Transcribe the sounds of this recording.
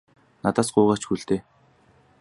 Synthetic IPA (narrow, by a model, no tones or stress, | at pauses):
nat̪aːsɢʊːʁḁːt͡ɕxuɮt̪eː